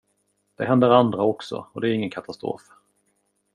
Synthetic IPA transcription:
d̪̥ɛɦɛnd̪əɾand̪ɾaɔksɔ̰ɔd̪ɛːɾɪŋːənkʰat̪ʰast̪ɾo̰ːf

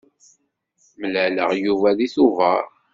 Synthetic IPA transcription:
məlæləʁjuvæðiθuvəɾ

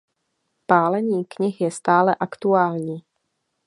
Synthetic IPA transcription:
paːlɛɲiːkɲɪxjɛst̪aːlɛʔakt̪uaːlɲiː

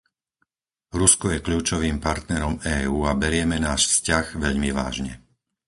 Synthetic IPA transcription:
ɾuskɔjɛkʎuːt͡ʃɔʋiːmpaɾt̪nɛɾɔmɛːuːabɛɾɪɛmɛnaːʃfscaɣʋɛʎmiʋa̰ːʒɲɛ̰

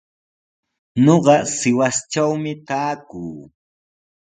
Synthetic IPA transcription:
noɢɑsɪwast͡ʃawmɪt̪aːkuː

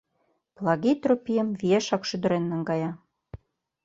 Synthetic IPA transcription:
plˠɑɣit̪ropijə̆mvieʃɑkʃyd̪ə̆ɾenːə̆ŋɡɑjɑ

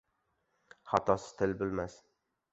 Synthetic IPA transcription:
χɑt̪ʰɒsɪ̥t̪ʰɪlbʊlmas

